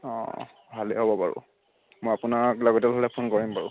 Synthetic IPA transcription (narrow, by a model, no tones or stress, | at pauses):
ɔ̰̃ | bʱaleɦobɔpa̰ɹṵ | mojapʊnaɹklaɡɔtɛlbʱalɛpʰonkɔɹimpaɹu